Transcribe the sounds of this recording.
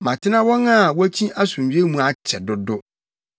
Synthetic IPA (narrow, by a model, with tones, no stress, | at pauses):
mã˨tʰɪ˦nã˦wɔ̃˦na˦˨wɔ˦æ˦t͡ɕʰĩ˦ʔa˦sũ˨m˨ɥe˦mũ˦a˨t͡ɕʰɛ˨dʊ˦dʊ˦